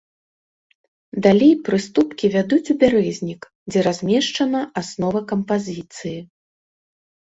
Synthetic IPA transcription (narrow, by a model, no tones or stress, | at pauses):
d̪alʲejpɾɨst̪upkʲivʲad̪ut͡sʲubʲaɾɛzʲnʲik | d͡zʲɛɾazʲmʲɛʂt͡ʂɐnɐasnɔvɐkɐmpazʲit̪sɨji